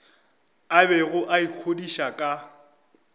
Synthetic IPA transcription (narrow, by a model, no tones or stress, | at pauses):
abɛɣʊʔaikʰodiʃakʼa